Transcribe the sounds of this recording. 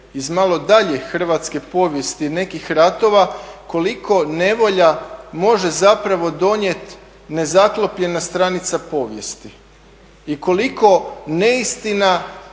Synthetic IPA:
izmalo̞d̪aʎe̞xr̩ʋat̪ske̞po̞ːʋje̞st̪ine̞kixɾat̪o̞ʋako̞liko̞ne̞ʋo̞ʎamo̞ʒe̞zapɾaʋo̞d̪o̞ɲe̞t̪ | ne̞zaklˠo̞pʎe̞nast̪ɾanit̪sapo̞ːʋje̞st̪i | iko̞liko̞ne̞ist̪ina

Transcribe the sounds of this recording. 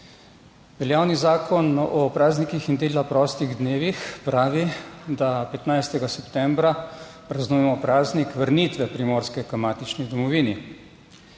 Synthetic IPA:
ʋɛljaːwnizaːkʰɔnɔpɾaːznikixind̪eːlapɾɔːst̪iɣd̪neːʋixpɾaːʋid̪apɛt̪najst̪ɛɡasɛpt̪ɛmbɾa | pɾaznuːjɛmɔpɾaːznikʋəɾniːt̪ʋɛpɾimoːɾskɛkamaːt̪it͡ʃnid̪ɔmɔʋiːni

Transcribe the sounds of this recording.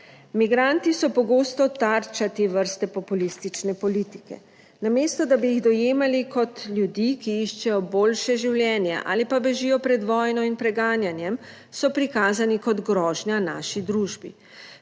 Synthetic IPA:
miɡɾant̪isɔpɔɡoːst̪ɔt̪aɾt͡ʃat̪eʋəɾst̪ɛpɔpulist̪it͡ʃnɛpɔliːt̪i̥kɛ̰ | nameːst̪ɔd̪abijiɣd̪ɔjeːmalikɔt̪lʲjud̪ikiiʃt͡ʃɛjɔboːlʃɛʒiwljɛːnjɛ̰ʔa̰ːlipabɛʒijɔpɾɛd̪ʋɔːjnɔinpɾɛɡaːnjanjɛm | sɔpɾikaːzanikɔd̪ɡɾɔːʒnjana̰ːʃid̪ɾuːʒbḭ

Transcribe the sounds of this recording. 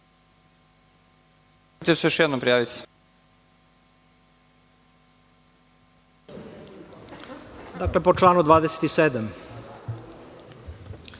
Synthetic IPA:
t̪esejoʃjɛd̪nompɾijaːʋit̪s | d̪aklepot͡ʃlaːnud̪ʋaːd̪ese̥t̪iseːd̪am

